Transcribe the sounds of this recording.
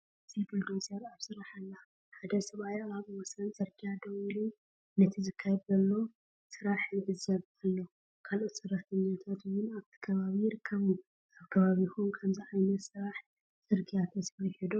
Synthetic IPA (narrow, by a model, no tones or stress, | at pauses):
ɨzibuld̪osʼeɾaβsɨɾaħalːa | ħad̪ɐsɐβajaβwɔsɐnt͡sʼɨɾɡʰijad̪ɐwilu | nɐt̪ʰizɨkʰːajɛd̪zɐlːo | sɨɾaħɨndɨzɐβalːo | kʰalot̪sɨrːɐt̪ʰɐɲːat̪ʰat̪wʊnaβt̪ʰi̥kʰɐβaβijɪɾɨkʰːɐβu | ʔaβkʰɐβaβixonkʰɐmziʕajnɐt̪sɨɾaħ | t͡sʼɨɾɡijat̪ʰɐsɐjhed̪o